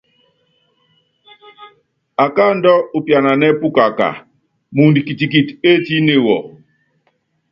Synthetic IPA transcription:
a˨ka˦n̩˦dɔ˦u˨pja˨na˨nɛ˦pu˦ka˨ka̰˨ | mu˨ndi˨ki˨ti˨k̬i˨te˦ti˦ne˦˨wɔ̰˨

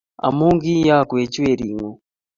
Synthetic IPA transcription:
a̰˨muː˦ŋɡi˦jaː˦˨kwe˨ci˦we˨ɾi˨ŋo˨

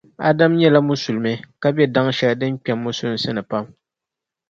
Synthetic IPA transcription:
a˦da˦mɲɛ˦la˦mʊ˦su˨lmɛ˦ka˦bɛ˦da˦ŋʃɛ˨ldɨ˦mk͡pɛ˨mːʊ˦sʊ˦n˦sɨ˦nɨ˨pa˦m

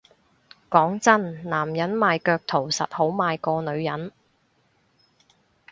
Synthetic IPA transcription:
kɔː˨˥ŋt͡sɐ˥nnaː˨˩mjɐ˨˥nmaː˨˧jkœː˧k̚t̪ʰo˨˩wsɐ̰˨t̚ho˨˥wmaː˨˧jkɔː˧nɵ˨˧ɥjɐ˨˥n

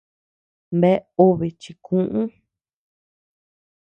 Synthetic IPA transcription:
mbe˦u˦βi˨t͡ʃi˧kʰũ˦ʔũ˦

